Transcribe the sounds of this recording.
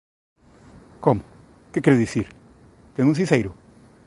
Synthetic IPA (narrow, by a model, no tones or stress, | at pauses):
komʊ | kɨkɛɾuðisiɾ | t̪ẽjũs̬ĩsejɾʊ